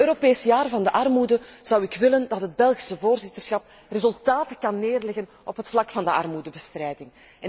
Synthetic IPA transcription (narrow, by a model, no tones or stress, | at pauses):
øːɾopeːsjaːrvɑndəʔɑrmudəz̥ɑwɪkʋɪləndɑtɦəd̚bɛlˠɣi̥səvoːrzɪtərsxɑp̚ | rezɵlˠtaːtəkɑnːeːrlɛɣən | ɔpɦətflɑkfɑndəʔɑrmudəbəstrɛjdɪŋ | ɛ